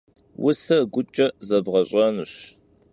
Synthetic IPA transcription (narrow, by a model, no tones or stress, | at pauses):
wʔʊɬɐɡʷʊt͡ʃʼɐzɐbʁɐɕʼɐnuɕ